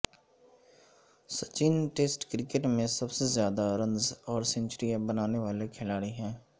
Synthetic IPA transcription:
sət͡ʃiːnʈeːsʈkɾɪkeʈmẽsəbsezjaːd̪aɾə̃nzɔːɾsɛ̃nt͡ʃəɾijãbənaːneʋaːlekʰɪlaːɽiɦɛ̃ː

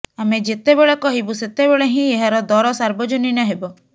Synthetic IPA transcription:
amed͡ʒet̪ebeɭɔkɔɦibuset̪ebeɭeɦĩeɦaɾɔd̪ɔɾɔsaɾbɔd͡ʒoninɔɦebɔ

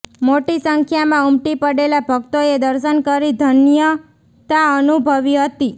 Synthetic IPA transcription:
moʈisəŋkʰjamãumʈipəɽelabʱəɡt̪oed̪əɾʃənkəɾid̪ʱənjə | t̪aənubʱəʋiɦət̪i

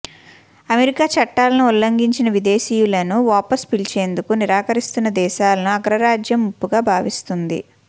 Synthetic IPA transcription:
ɐmeɾikaːt͡ʃɐʈːaːlɐnuulːɐŋɡiɲt͡ʃinɐʋid̪e̞ːʃiːjulɐnuʋaːpɐspilt͡ʃe̞ːnd̪ukuniɾaːkɐɾist̪unːɐd̪ɛːʃaːlɐnuɐɡɾɐɾaːd͡ʒjɐmːupːuɡaːbʱaːʋist̪und̪ḭ

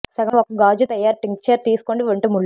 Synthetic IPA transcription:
sɐɡɐmɔkːɐɡaːd͡ʒut̪ɐjːaːɾʈiŋk̚t͡ʃɐɾt̪iːsu̥koɳɖiʋɐɳʈuːmuɭː

